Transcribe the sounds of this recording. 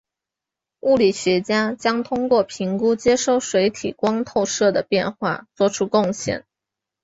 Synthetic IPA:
u˥˩li˨˩ɕɥɛ˧˥t͡ɕja˥t͡ɕjɑ˥ŋt̪ʰʊ˥ŋkwɔ˥˩pʰi˧˥ŋku˥t͡ɕjɛ˥ʂo˥˩ʊʂwe˧˥ɪt̪ʰḭ˨˩kwɑ˥ŋt̪ʰo˥˧ʊʂɤ˥˩d̪ə˩pjɛ˥˧nxwa̰˥˩t͡swɔ˥˩ʈ͡ʂʰu˥kʊ˥˧ŋɕjɛ̰˥˩n

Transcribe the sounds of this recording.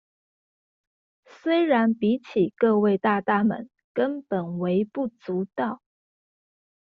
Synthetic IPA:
swe˥ɪɻa˧˥npi˧˥t͡ɕʰi˨˩kɤ˥˧we˥˧ɪt̪a˥˧t̪a˥˩mə̰˨˥n | kə˥npə˨˩nwe˧˥ɪpu˥˩t͡su˧˥t̪ɑ˥˩ʊ

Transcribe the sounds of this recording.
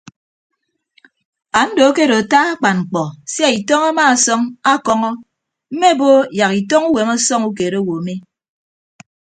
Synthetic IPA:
a˨n̩˦do˨˦ke˦ɾo˨ta˦a˦k͡pa˨nŋ͡m̩˨k͡pɔ˨sja˦i˨tɔ˦ŋa˦maː˦˨sɔ˦ŋa˦˨kɔ˦ŋɔ˦ | m̩˦me˦˨bo˦ja˨ki˨tɔ˦ŋu˦we˨ma˦sɔ˦ŋu˦k̬e˨ɾo˦wo˨me˦

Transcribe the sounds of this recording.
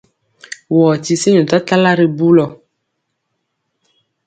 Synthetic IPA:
wɔ˨ti˨se˦ɲɔ̃˨t̪a˦ta˦la˦ɾe˨bu˦lɔ˨

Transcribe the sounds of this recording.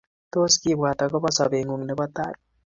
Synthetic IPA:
t̪o˦ski˦˨bwa˨t̪a˨ɡɔ˦bɔ˦sɔ˨be˨ŋu˨ŋnɛ˨bɔ˦t̪a̰˦t̚

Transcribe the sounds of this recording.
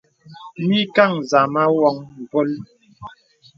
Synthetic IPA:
mi˦ka˦˨ŋza˨ma˦wɔ˦ŋm̩˨bo˦l

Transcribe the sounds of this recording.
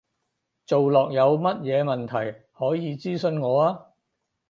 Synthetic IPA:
t͡so˨wlɔː˨k̚jɐ˨˧wmɐ˥t̚jɛː˨˧mɐ˨nt̪ʰɐ˨˩j | hɔː˨˥jiː˨˧t͡siː˥sɵ˧nŋɔː˨˧aː˥

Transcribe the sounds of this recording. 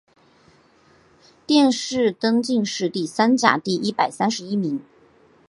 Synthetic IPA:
t̪jɛ˥˧nʂɻ̩˥˩t̪ɤ˥ŋt͡ɕi˥˧ŋʂɻ̩˥˧t̪i˥˩sa˥nt͡ɕja̰˨˩t̪i˥˩ʔi˥pa˨˩ɪsa˥nʂɻ̩˧˥i˥mi˧˥ŋ

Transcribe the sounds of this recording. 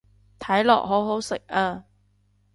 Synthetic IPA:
t̪ʰɐ˨˥jlɔ̰ː˨˩k̚ɦo˨˥wɦo˨˥wsɪ˨˩k̚aː˧

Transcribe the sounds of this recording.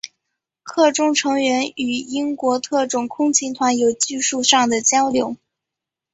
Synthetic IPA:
kʰɤ˥˩ʈ͡ʂʊ˥ŋʈ͡ʂʰɤ˧˥ŋɥɛ˧˥ny˨˩i˥ŋkwɔ˧˥t̪ʰɤ˥˩ʈ͡ʂʊ˨˩ŋkʰʊ˥ŋt͡ɕʰi˧˥ŋt̪ʰwa˧˥njo˨˩ʊt͡ɕi˥˧ʂu˥˧ʂɑ˥˩ŋd̪ə˩t͡ɕjɑ˥ʊljo˧˥ʊ

